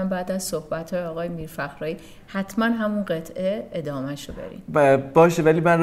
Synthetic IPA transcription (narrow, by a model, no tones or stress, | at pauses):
mbæːd̪æzsohbæt̪ʰhɒːjeɒːɣɒːjemiːɾfæxɾɒːjiː | hæt̪ʰmænɦæmunɢe̞t̪ʰeed̪ɒːmæʃobḛɾḭːmbɒːʃevæliːmæn